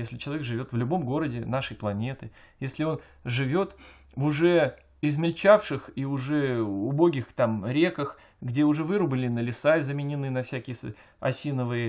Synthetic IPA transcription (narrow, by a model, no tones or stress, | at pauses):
jesʲlʲɪt͡ɕɪlˠɐvʲekʐɨvʲo̞t̪vlʲʊbo̞mɡo̞ɾədʲɪnaʂəjplˠɐnʲe̞t̪ɨ | jesʲlʲɪo̞n | ʐɨvʲo̞t̪ | vʊʐɛ | ɪzmʲɪlʲt͡ɕafʂɨxiʊʐɛʊbo̞ɡʲɪxt̪amɾʲekəx | ɡdʲeʊʐɛvɨɾʊbɨlʲɪnəlʲɪsaɪzəmʲɪnʲɪnɨnɐfsʲækʲɪjəs | ɐ̰sʲinəvɨjə